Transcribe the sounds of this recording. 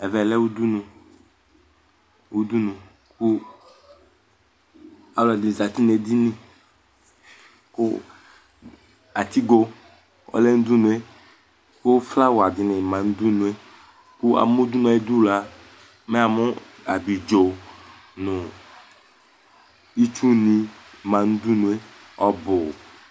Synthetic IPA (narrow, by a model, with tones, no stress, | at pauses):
ɛ˨vɛ˨lɛ˦wu˦du˦nũ˨ | wu˦d̪u˦nũ˨ | ku˦ | a˨lɔ˨dɪ˨za˨t̪i˦ne˨di˦nĩ˨ | kʊ˦ | a˨t̪i˦ɡo˨ | ɔ̰˦lɛ˦n̩˦du˦nũ˨e˦ | kʊ˦fla˦wa˨dɪ˨nɪ˨mã˨nu˦d̪u˦nũ˨e˦ | kʊ˦a̰˨mʊ˦d̪u˦n˨a˨e˦du˦˨la˨˦ | mɛ˦a˨mʊ˦ | a˨di˨d͡ʒo˨ | nʊ̃˨ | i˦t͡ʃu˦nĩ˨mã˨nu˦du˦nũ˨˦e˦ | ɔ˦bʊ˨